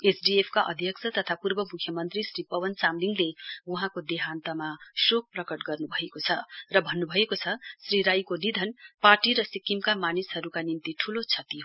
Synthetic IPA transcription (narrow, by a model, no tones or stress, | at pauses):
esɖiepʰkaʔʌ̰d̪ʱjʌksʰʌt̪ʌt̪ʰapurbʌmukʰjʌmʌnt̪risripʌwʌnt͡samliŋɡleuɦãkod̪eɦant̪ʌmasok̚prʌkʌʈɡʌrnubʱʌekot͡sʰʌrʌbʱʌnːubʱʌekot͡sʰʌsriɾajkonid̪ʱʌnparʈiɾʌsikːimkamanisɦʌɾukanint̪iʈʰulot͡sʰʌt̪iɦ